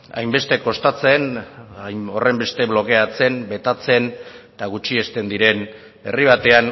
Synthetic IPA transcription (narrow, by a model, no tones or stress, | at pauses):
a̰jmbe̞st̪e̞ko̞st̪at͡se̞najmo̞re̞mbe̞st̪e̞β̞lo̞ke̞at͡se̞mbe̞t̪at͡se̞nt̪aɣut͡ʃie̞st̪e̞nd̪iɾe̞n | e̞̰riβ̞at̪e̞an